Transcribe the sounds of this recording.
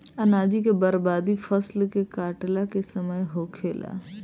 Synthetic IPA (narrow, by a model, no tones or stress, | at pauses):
ɐnaːd͡ʒikebəɾbaːd̪ifʰəslkekaːʈlakesəməjɦoːkʰeːla̰